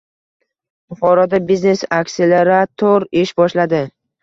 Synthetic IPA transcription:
ʊχɒɾɒd̪abizne̞sakʲseleɾat̪ʰoɾɪʃbɒʃlad̪ɪ

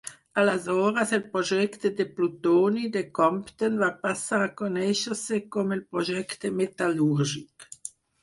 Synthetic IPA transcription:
alazɔːɾaselpʁoʒɛkt̪ed̪eplut̪oːnid̪ekɔmpt̪ənvapasaʁakonɛʃəʁsekomelpʁoʒɛkt̪emet̪aluʁʒik

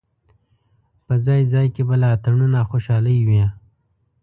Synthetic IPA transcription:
pəzɑjzɑjkebalat̪aɳunaxoʃɑləjwi

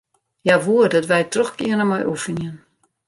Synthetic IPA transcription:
jaʋuərdɔtʋɛjtrɔxkiənəmɔjʔufəniən

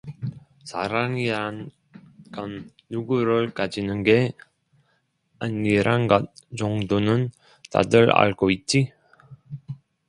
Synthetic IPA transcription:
saɾaŋiɾan | ɡ̥ʌnː | uɡuɾɯɭkad͡ʑinɯnɡe | aniɾanɡʌt̚t͡ɕʌŋdonɯn | ta̰dɯɾa̰ɭɡoit̚t͡ɕ͈i

